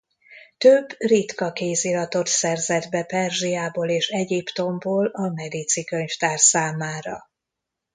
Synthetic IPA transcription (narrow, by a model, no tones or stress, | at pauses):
t̪øbːrit̪kɒkeːzilɒt̪o̞t̪sɛrzɛd̪bɛpɛrʒijaːboːleːʃɛɟipt̪o̞mboːlɒmɛd̪it̪sikø̞ɲft̪aːrsaːmaːɾɒ̰